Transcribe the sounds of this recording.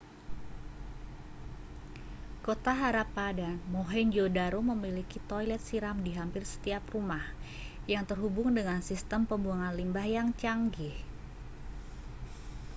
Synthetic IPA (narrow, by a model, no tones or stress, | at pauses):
kot̪aɦaɾapadanmoɦɛɲd͡ʒodaɾoməmilikit̪ojlɛt̪̚siɾamdiɦampɪrsə̥t̪iaprumah | jaŋt̪ərɦubʊŋdəŋansist̪əmpəmbuaŋanlimbahjaŋt͡ʃaŋɡih